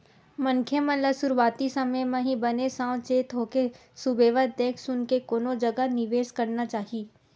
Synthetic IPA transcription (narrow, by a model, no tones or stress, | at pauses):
mɐŋkʰjəmə̃ləsʊɾuʋaːt̪isɐməjmẽɦĩbɐnesãːwt͡ʃeːt̪ɦoːke | sʊbeːʋəd̪t̪ẽːksʊnkekoːnõd͡ʒɐɡənɪʋeːʃkɐɾnat͡ʃaːɦieː